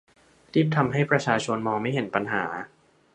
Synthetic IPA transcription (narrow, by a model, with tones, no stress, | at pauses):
ɾiː˥˩p̚t̪ʰa˧mɦa˥˩jpɾa˧t͡ɕʰaː˧t͡ɕʰo˧nmɔː˧ŋma˥˩jɦe˩˦npa˧nɦa̰ː˩˦